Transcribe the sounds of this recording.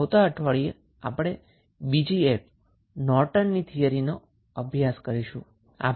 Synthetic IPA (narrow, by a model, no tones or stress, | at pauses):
wt̪aəʈʰʋaɭie | apɽ̃e | bid͡ʒiep | nɔɾʈənːit̪ʰijəɾino | əbʱjaskəɾiʃũ | a̰